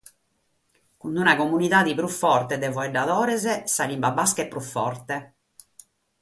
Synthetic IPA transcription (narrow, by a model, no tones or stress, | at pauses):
kund̪unakomunit̪aːd̪ipɾufːɔrt̪ɛd̪ɛvɔɛɖaðɔːɾɛzɛsalimbabaskɛpːɾufːɔrt̪ɛ